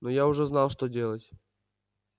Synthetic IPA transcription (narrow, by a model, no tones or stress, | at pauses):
nɔjaʊʐɛznalˠʂt̪ɔdʲelˠətʲ